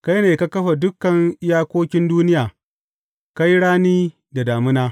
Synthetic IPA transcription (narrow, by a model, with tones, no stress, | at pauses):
ka˦jneː˨ka˦kɐ˦ɸa˨dʊ˦kːɐ˨ŋ˦jaː˦kʷoː˦kʲɪ˦nduː˦nɪ˦jaː˨ | ka˦jɽaː˦niː˦ | da˨daː˨mɪ˦naː˦